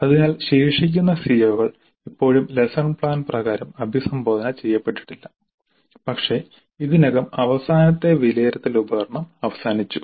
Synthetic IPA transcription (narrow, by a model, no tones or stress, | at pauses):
ɐðinaːlɕeːʂikʲːunːɐsijɐʋuɣɐɭ | ipːo̞ːɻumlesɐɳpɭaːnprɐɣaːɾɐmɐbʱisɐmbo̞ːd̪ɐnɐt͡ɕe̞jːɐpːe̞ʈːi̥ʈːilːɐ | pɐkʂe̞ | iðinɐɡɐmɐʋɐsaːnɐt̪ːe̞ʋileːɾɐt̪ːilubɐɣɐrɳɐmɐʋɐsaːnit͡ɕːu